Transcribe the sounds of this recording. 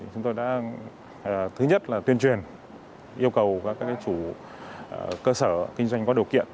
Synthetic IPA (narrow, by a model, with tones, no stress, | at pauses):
i˨˩t͡ɕʊ˨˦ŋ͡mt̪o˧jɗa̰ː˧˥˨ | t̪ʰɨ˨˦ɲə˦˥t̚laː˨˩t̪wi˧ənt͡ɕwi˨˩ən | ʔi˧əwkə˨˩wkaː˨˦˥kːaː˦˥kaː˨˦jt͡ɕu˧˩˨ | kəː˧səː˧˩kï˧ŋ̟zwa˧jŋ̟kɔ˨˦ɗi˨˩əwkḭ˧˨ən